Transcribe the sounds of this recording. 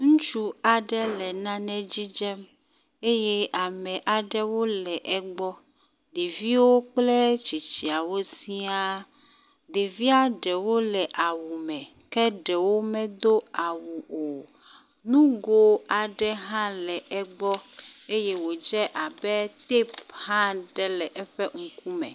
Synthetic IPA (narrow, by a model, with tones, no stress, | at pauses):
ŋũ˦t͡ʃu˦a˨ɖɛ˦lɛ˨nã˦nɛ̃˦d͡ʑi˦d͡ʒɛ˦m | e˦je˦a˨mɛ̃˨ʔa˨ɖɛ˦wo˦lɛ˨ʔɛ˨ɡ͡bɔ˦ | ɖe˨vi˦wo˦k͡plɛ˦t͡ʃi˨t͡ʃi˨a˨wo˦si˦a˦ | ɖe˨vi˦a˦ɖɛ˨wo˦lɛ˨ʔa˨wu˨mɛ̃˨ | kɛ˦ɖɛ˨wo˦mɛ̃˦d̪o˦a˨wu˨o˨ | nũ˦ɡo˦a˨ɖɛ˦ɦã˦lɛ˨ɛ˦ɡ͡bɔ˦e˦je˦wo˨d͡ʒɛ˦ʔa˨bɛ˦t̪e˦phã˦ɖɛ˦lɛ˨ʔɛ˦ɸɛ˦ŋ̩˨ku˦mɛ̰˨